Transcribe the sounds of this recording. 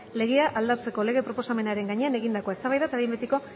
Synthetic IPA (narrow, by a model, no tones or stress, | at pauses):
le̞ɣe̞aʔald̪at͡se̞ko̞le̞ɣe̞pɾo̞po̞same̞naɾe̞ŋɡaɲe̞ane̞ɣind̪ako̞e̞st̪aβajðaet̪aβmbet̪iko̞